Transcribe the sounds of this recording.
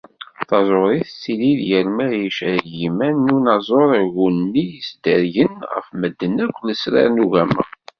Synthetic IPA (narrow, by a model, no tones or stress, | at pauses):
θɑzˤoɾˤiθsiliðjəɾmæɾjiʃɾjimænːunɑzˤoɾˤʝunːijəsd̪əɾʝənʁə̰fməd̪ːənækʷːləsɾɑ̰ɾnuʝæmə̰